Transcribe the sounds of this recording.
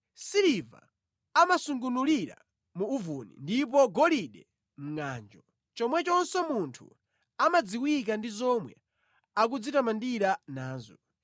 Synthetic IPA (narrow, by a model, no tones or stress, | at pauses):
siɾiva̰ | amasuŋɡunuliɾa̰ | muːvunḭndip̬ɔɡɔliɗɛ | m̩ŋaːnd͡ʒɔ | t͡ʃɔmwɛt͡ʃɔnsɔmuntʰṵ | amad͡ziwik̬andizɔmwɛ̰ | ak̬ud͡zitamandiɾanaːzɔ